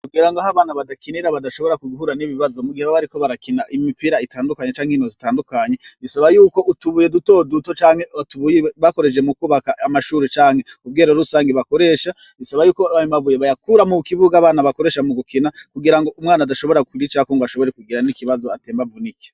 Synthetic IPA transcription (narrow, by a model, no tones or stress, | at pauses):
kuɡiɾaŋɡoaɦaβaːnaβadakʰiniɾaβadaʃo̞βo̞ɾakuɡuɦuɾaniβiβazo̞muɡihaβaβaɾiko̞βaɾakinaʔimipiɾaitaːndukaɲet͡ʃaːŋhenozitaːndukaːɲe̞βisaβajuːko̞ʔutuβuje̞duto̞duto̞t͡ʃaːŋ̥he̞βatuβujeβakoɾe̞ʃ̬emukuːβakaʔamaʃuːɾit͡ʃaːŋhe̞ubɡeːɾoɾusaːŋɡeβako̞ɾe̞ːʃa | βisaβajuːkoβamaβujeβajakuɾamukiβuɡaːβaːnaβako̞ɾe̞ːʃamuɡukinakuɡiɾaŋɡo̞ʔumŋaːnadaʃo̞βo̞ɾaɡukiɾit͡ʃakoŋɡoaʃo̞βo̞ɾe̞kuɡiɾanikiβazo̞ateːmbavunike̥